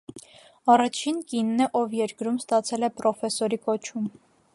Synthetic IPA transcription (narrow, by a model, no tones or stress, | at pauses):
ɑrɑt͡ʃʰinkinːəʔɔvjɛɾkɾumst̪ɑt͡sʰɛlɛpɾɔfɛsɔɾikɔt͡ʃʰum